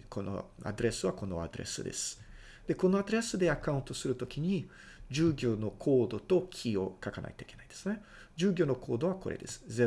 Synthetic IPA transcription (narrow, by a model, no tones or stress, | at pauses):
kʰono̰a̰d̪oɾe̞sɨβako̞no̞̰a̰d̪o̞ɾe̞̰sɨ̰d̪e̞̰sɨ̥ | d̪̥e̞ko̞no̞ad̪oɾe̞sɨd̪e̞akaɯ̃nt̪o̞sɨɾɯ̟t̪o̞kʲiɲ̟i | d͡ʑɨːɡʲo̞ːno̞kʰo̞ːd̪o̞t̪o̞kʲʰio̞̰kakana̰it̪o̞ike̞naid̪esɨne̞ | d͡ʑɨːɡʲo̞ːnokʰo̞ːd̪o̞β̞ako̞̰ɾḛd̪e̞̰sɨ̥ze